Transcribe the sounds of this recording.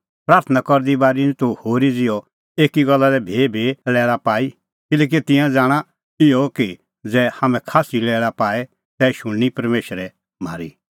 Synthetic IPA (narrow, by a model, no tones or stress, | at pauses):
pɾaːɾt̪ʰənakɔɾd̪ibaːɾint̪uhoːɾid͡zɪjɔ | eːkiɡɔlːalɛbʱeːbʱelɛːlapaːi | kɪlɛːk̬it̪ɪ̃jãd͡zaːɽ̃a | ɪɔki | d͡zɛːhaːmɛ̃kʰaːsilɛːɭapaːɛ | t̪ɛːʃʊɽñipɐɾmeːʃəɾɛ | ma̰ːɾi